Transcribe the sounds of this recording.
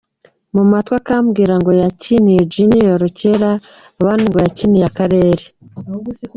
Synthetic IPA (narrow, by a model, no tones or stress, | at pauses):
mumatwakaːmɡiːɾaŋɡo̞jacinijed͡ʒinijoɾoceɾaː | βaːndiŋɡojaciːnijakaɾe̞ːɾe